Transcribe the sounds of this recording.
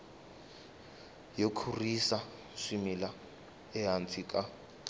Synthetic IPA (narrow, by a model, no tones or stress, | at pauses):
jokʰurisa | ʂimila | ɛɦant͡sʰikʼa